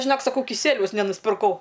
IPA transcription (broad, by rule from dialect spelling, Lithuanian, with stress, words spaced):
ʒʲɪˈnoːk sɐˈkɐʊ kʲɪˈsʲiɛlʲɛʊs nʲɛnʊsʲpʲɪrˈkɐʊ